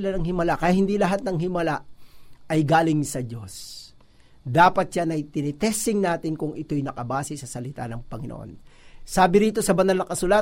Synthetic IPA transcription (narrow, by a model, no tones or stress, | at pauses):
ɪlanɐŋhɪmɐlakɐjathɪnd̪ilɐɦat̪̚nɐŋhɪmɐlaʔɐjɡaːlɪŋsɐd͡ʒo̞s | d̪aːpɐt̪̚ʃanɐjt̪ɪnɪt̪ɛsɪŋnaːt̪ɪnkʊŋɪt̪o̞jnɐkɐbaːsɪsɐsɐlɪt̪a̰nɐŋpɐŋɪno̰ʔo̰nsaːbɪɾiːt̪o̞sɐbɐnalnɐŋkɐsʊla